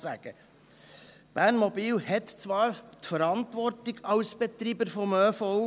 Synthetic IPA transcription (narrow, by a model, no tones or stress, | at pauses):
sæ̰ɡ̥ə | b̥æːnmɔbiːlhɛt̪t͡sʋɑːɾtfəɾɑntʋɔɾtɪɡɑʊsb̥ɛt̪ɾiːbəɾfɔmøːfɔʊ